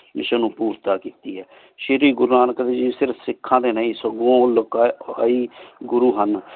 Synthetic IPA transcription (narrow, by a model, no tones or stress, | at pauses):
mɪʃənũːpuːɾt̪aːkiːt̪iːɦɛː | ʃɪɾiːɡʊɾnaːnəkd̪eːd͡ʒiːsɪɾfsɪkʰːãːd̪eːnəːĩːsəɡõːlokaːəiːɡʊɾuːɦən